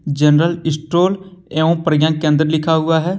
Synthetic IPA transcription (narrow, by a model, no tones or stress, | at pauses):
d͡ʒɛnɾəlɪsʈoːlɛːũːpɾəɡjãːkɛ̃ːnd̪əɾlɪkʰaːɦʊaːɦɛː